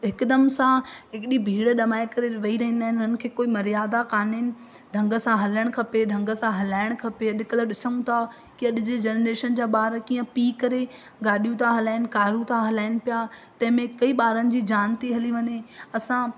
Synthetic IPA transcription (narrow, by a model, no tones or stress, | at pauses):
ɦɪkd̪əmsãɦɪkɪɗibʱiːɽɗɐmaːekɐɾeʋɐiɾɐɦĩnd̪aːɦɪ̃nʊnənɪ̆kʰeːkoːimɐɾijaːd̪akaːneːnɪ̆ | ɖʱɐ̃ŋɡəsãɦɐləɽ̃kʰɐpeɖʱɐ̃ŋɡə̆sãɦɐlaːɪɽ̃kʰɐpeɐɗ̪ɪkələɗɪsə̃ũt̪ʰa | kiɐɗɪd͡ʑed͡ʑeːnɾeːʃənd͡ʑaːɓaːɾkiːə̃piːkɐɾe | ɡaːɗijũt̪ʰaɦɐlaːɪnɪ̆kaːɾũt̪ʰaɦɐlaːɪnɪ̆pijat̪ɐ̃ɦɪ̃mẽkɐiɓaːɾənɪ̆d͡ʑiːd͡ʑaːnt̪iɦɐliʋɐɲeɐsã